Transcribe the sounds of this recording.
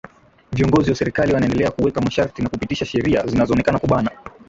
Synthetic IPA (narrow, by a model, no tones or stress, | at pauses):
viɔŋɡɔziwasɛɾikaliwanaɛndɛlɛakuwɛkamaʃaɾtinakupitiʃaʃɛɾia̰zinazɔːnɛkanakuɓana